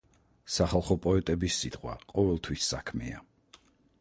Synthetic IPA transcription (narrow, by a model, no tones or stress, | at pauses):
saχalˠχɔpʼɔɛt̪ʼɛbisːit̪ʼχwa̰qʼɔvɛlˠt̪ʰwisːakʰmɛ̰a̰